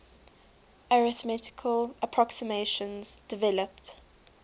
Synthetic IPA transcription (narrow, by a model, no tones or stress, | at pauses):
aɹɪθmɛtɪ̥kʰələpʰɹ̥ɔksɪmeʃə̃nz̥d̥ɪvɛləpt